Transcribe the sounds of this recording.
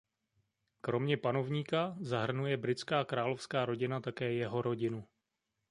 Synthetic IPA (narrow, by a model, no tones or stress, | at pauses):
kɾo̞mɲɛpano̞vɲiːkazaɦr̩nujɛbɾɪt͡skaːkɾaːlo̞fskaːɾo̞ɟɪnat̪akɛːjɛɦo̞ɾo̞ɟɪnu